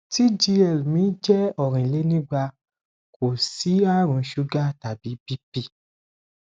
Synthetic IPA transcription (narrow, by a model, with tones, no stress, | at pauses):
ti˦d͡ʒi˧ɛ˨lmĩː˨˦d͡ʒɛ˦ɔ˨ɾ̃ĩ˨le˨˦nĩ˦ɡ͡ba˧ | kʰo˨si˨˦a˦ɾ̃ũ˧˦ʃu˦ɡa˦ta˨bi˨˦bi˦pi˦˨